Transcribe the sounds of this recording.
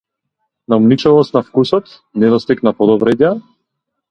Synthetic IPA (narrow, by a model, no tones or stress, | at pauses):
naumnit͡ʃɔlɔst̪nafkusɔt̪ | nɛd̪ɔst̪iknapɔd̪ɔbɾɛda